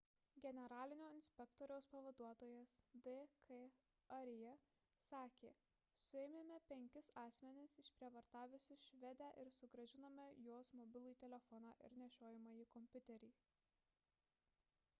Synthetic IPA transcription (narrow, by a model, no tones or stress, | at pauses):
ɡʲɛnʲɛɾɑːlʲɪnʲoːɪnʲsʲpʲɛkt̪ɔːɾʲɛʊspɐʋɐd̪uɔt̪oːjɛsd̪ɛkʰe | ɐɾʲjɛ | sɑːkʲeː | sʊɛmʲeːmʲɛpʲɛŋʲkʲɪsɑːsʲmʲɛnʲɪsɪʃpʲɾʲiɛʋɐɾt̪ɑːʋʲʊsʲʊʃʲʋʲɛd̪ʲæːʔɪɾsʊɡɾɐʒʲɪnɐmʲɛjoːsmɔbʲɪlˠʊjt̪ʲɛlʲɛfɔnɑːʔɪ̰ɾnʲɛʃʲoːjɪmɑjiːkɔmʲpʲʊt̪ʲɛɾʲiː